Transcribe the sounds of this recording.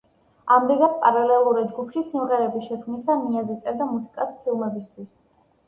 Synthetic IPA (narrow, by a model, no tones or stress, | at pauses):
amd̪iɡat̪̚pʼaɾalɛlˠuɾid͡ʒɡupʰʃisimʁɛɾɛbiʃɛkʰmnisamiazit̪sʼɛɾd̪amusi̥kʼaspʰilˠmɛbist̪ʰwis